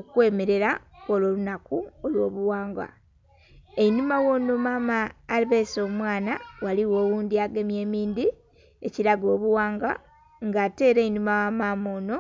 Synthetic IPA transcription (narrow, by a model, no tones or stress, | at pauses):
okwe̞ːmeɾe̞ɾakwololunakuolwo̞ːβuwaːŋɡa̰ | einumawo̞nomamaːliβeso̞ːmwaːnawaliwo̞ːwuːndiaɡemje̞ːmiːndi | e̞ciɾaɡo̞ːβuwaːŋɡa̰ | ŋɡaːte̞ːɾeːinumawamaːmoːno̞